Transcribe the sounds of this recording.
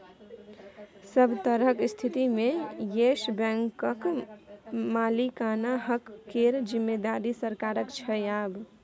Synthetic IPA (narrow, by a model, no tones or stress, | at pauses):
səbt̪əɾəkst̪ʰit̪imẽjeʃbɛ̃ŋkək | maːlikaːnaɦəkːeɾd͡ʒɪmːed̪aːɾisəɾkaːɾəkt͡ʃʰəjaːb